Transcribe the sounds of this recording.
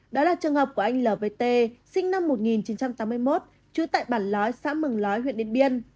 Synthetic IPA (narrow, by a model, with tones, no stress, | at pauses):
ɗɔ˨˦laː˨˩t͡ɕɨ˨˩əŋhəː˨˩p̚ku˧˩əʔa˧jŋ̟ləː˨˩ve˧t̪e˧sï˧ŋ̟na˧mːo˨˩t̚ŋi˨˩nt͡ɕi˨˦nt͡ɕa˧mt̪aː˨˦mːɨ˧əjmo˦˥t̚ | t͡ɕɨ˨˧˦ət̪a̰ː˧˨jɓaː˧˩nlɔ˨˦jsa̰ː˧˥mɨ˨˩ŋlɔ˨˦jɦwḭ˧˨ɗḭ˧˨ənɓi˧ən